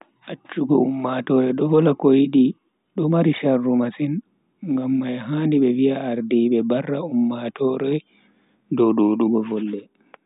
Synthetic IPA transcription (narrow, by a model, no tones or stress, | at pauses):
ʔat͡ʃːuɡɔumːatɔɾɛɗɔvɔlakɔjiɗi | ɗɔmaɾiʃarːumasin | ŋɡamːajɦaːndiɓɛviaːɾdiɓɛbarːaumːatɔɾɛj | dɔwɗoɗuɡɔvɔlːɛ